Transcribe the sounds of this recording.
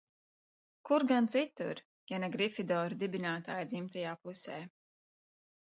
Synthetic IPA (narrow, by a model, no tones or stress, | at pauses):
kuɾɡant̪sit̪ṵɾ | janɛɡɾifid̪ɔːɾud̪ibinaːt̪aːjd̪zimt̪ajaːpusɛː